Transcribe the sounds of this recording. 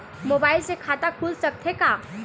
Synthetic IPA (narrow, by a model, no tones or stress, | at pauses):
mobailsekʰat̪akʰuːlsək̚t̪ʰeka